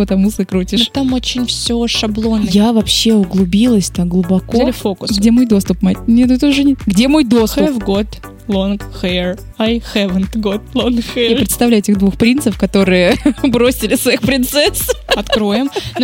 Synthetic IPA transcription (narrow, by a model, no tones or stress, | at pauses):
pət̪ɐmusɨkɾutʲɪnoʂt̪amot͡ɕɪnʲfsʲoʂɐblˠo̞njavɐpɕːeʊɡlˠʊbʲilˠəsʲt̪aɡlˠʊbɐkolʲɪfokʊsɡʲe̞mo̞jd̪o̞st̪ʊpmat̚ʲnʲet̪ɛt̪əʊʐɨnʲɡdʲe̞mo̞jd̪o̞st̪ʊvɡot̪ | lˠonxɛr | ajxɛvənt̪ɡot̪̚lˠonxɛjapɾʲɪt̪st̪ɐvlʲæjʊetʲɪɣd̪vuxpɾʲint̪səfkɐt̪o̞ɾɨjəbɾo̞sʲɪlʲɪsvɐixpɾʲɪnt̪sɛsɐt̪kɾo̞jɪm